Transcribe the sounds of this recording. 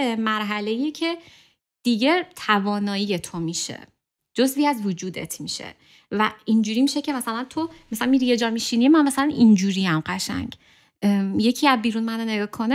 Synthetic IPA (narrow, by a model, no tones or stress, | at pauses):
emæɾɦæleijecʰe̞ | d̪̥iɟe̞t̪ʰævɒːnɒːijet̪ʰomiʃḛ | d͡ʒozviæzvod͡ʒuːd̪ḛt̪ʰmiːʃḛ | væind͡ʒuːɾimiːʃe̞cʰe̞mæsælænt̪ʰo̞mæslænmiɾije̞d͡ʒɒːmiʃiniemænmæsælænʔind͡ʒuːɾiæmɢæʃæ̰ɲɟ | jecʰiæbiːɾunmænone̞ɡɒːkʰo̞ne